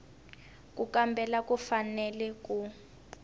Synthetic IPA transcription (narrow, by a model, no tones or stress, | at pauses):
k̬ʼukambʱɛlakʼufanɛlɛkʼu